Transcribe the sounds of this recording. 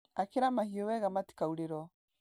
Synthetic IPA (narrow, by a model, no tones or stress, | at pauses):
akiɾamahiɔwɛɣamati̥kauɾiɾɔ